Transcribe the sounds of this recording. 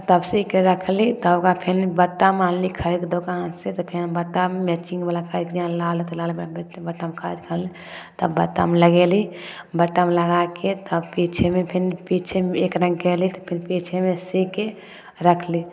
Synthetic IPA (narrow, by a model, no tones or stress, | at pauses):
t̪əbsikeɾəkʰlit̪ɔoɡapʰinbəʈːamanlikʰəɾiked̪okanset̪ɔpʰinbəʈːamemɛt͡ʃĩŋɡbalakʰəɾikd͡ʒãlalet̪ɔlalmebet̪ebəʈːamekʰəɾid͡ʒkʰəlli | t̪əbbəʈːa̰meləɡeli | bəʈːameləɡaket̪əbpit͡ʃʰemepʰinpit͡ʃʰemeekɾə̃ŋɡkɛlit̪ɔpʰinpit͡ʃʰemesike | ɾəkʰli